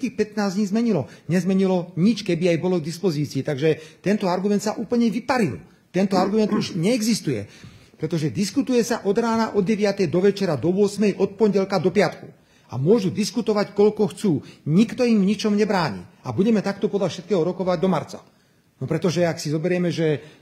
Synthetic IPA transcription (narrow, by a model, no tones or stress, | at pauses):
iːxpɛt̪naːzd̪ɲiːzmɛɲilɔɲɛzmɛɲilɔɲit͡ʃkɛbiajbɔlɔɡd̪ispɔziːt͡siːt̪aɡʒɛt̪ɛnt̪ɔaɾɡumɛnt̪saʔuːpl̩ɲɛʋipaɾḭl | t̪ɛnt̪ɔaɾɡumɛnd̪uʒɲɛːɡzist̪ujɛ̰pɾɛt̪ɔʒɛd̪iskut̪ujɛsaʔɔd̪ɾaːnaʔɔd̪ɟɛʋɪat̪ɛjd̪ɔʋɛt͡ʃɛɾad̪ɔʋʊɔsmɛjʔɔt̪̚pɔɲɟɛlkad̪ɔpɪat̪ku | a̰mʊɔʒud̪iskut̪ɔʋackɔʎkɔxt͡suːɲikt̪ɔimvɲit͡ʃɔmɲɛbɾaːɲḭːabuɟɛmɛt̪akt̪ɔpɔd̪ʎafʃɛt̪kɛːɦɔɾɔkɔʋaɟd̪ɔmaɾt͡sa̰ | nɔpɾɛt̪ɔʒɛaksizɔbɛɾɪɛmɛʒɛ